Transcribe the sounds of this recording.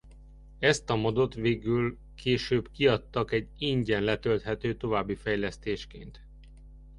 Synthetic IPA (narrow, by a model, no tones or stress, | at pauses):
ɛst̪ɒmod̪ot̪ʋeːɡyl | kʰeːʃøːbkiɒt̪ːɒkɛɟiɲɟɛnlɛt̪ølt̪ɦɛt̪øːt̪o̞vaːbːifɛjlɛst̪eːʃkḛːnt̪